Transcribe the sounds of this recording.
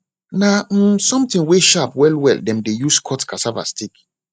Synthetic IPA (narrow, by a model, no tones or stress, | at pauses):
nam̩sɔ̃mtĩŋweʃapwɛlwɛ̰ldɛ̃mdejuskʰɔtkʰasava̰stik